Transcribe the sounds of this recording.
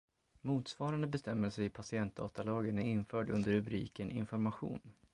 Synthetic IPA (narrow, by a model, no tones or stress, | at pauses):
muːt̪svɑːɾand̪əbɛst̪ɛmːəlsɛɪpʰasɪɛnt̪̚d̪ɑ̰ːt̪alɑːɡənæɾɪnfœːɖɵ̰nd̪əɾɵbɾḭːkənʔɪ̰nfɔɾmaɧṵːn